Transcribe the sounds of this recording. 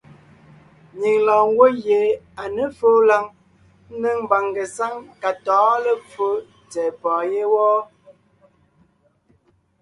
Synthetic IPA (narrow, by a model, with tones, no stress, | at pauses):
ɲi˨ŋlɔ˨ŋ̩˦ɡwo˦je˨ | a˨nə˦fo˦la˦ŋ˦ | nə˦ŋm˦ba˨ŋɡə˨sa˦ŋka˨tɔ̃ː˨˦lə˦fo˦ | t͡sɛː˨pɔ̃ː˨je˦wɔ˦